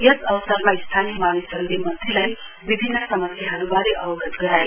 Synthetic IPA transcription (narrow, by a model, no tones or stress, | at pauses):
jʌsʌwsʌrmaist̪ʰanimalisʌŋd̪emʌd̪ʱelaj | bibʱinːʌsʌmʌsjaɦʌɾubaɾeʔʌwʌɡʌt̪ɡʌɾaje